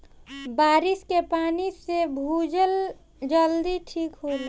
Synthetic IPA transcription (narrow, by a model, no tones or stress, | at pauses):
baːɾɪskepaːnisebʱud͡ʒəl | d͡ʒəld̪iʈʰiːkɦol